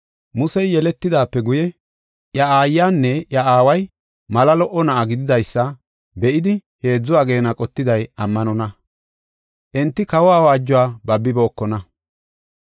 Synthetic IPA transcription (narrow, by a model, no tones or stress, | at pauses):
mʊsɛjjɛlɛt̪ːɪd̪aːpːɛɡʊjɛ | ʔjɐaːjːaːnːɛʔjɐʔaːwɐj | mɐlɐlɔʔɔnɐʔɐɡɪd̪ɪd̪ɐjsːɐ | bɛʔɪd̪ɪ | he̞ːd͡zːʊwaːɡe̞ːnɐkʼɔt̪ːɪd̪ɐjɐmːɐnɔnɐ | ʔɛnt̪ːɪkɐwaːwaːd͡ʒːʊwaːbɐbːɪbo̞ːkːɔnɐ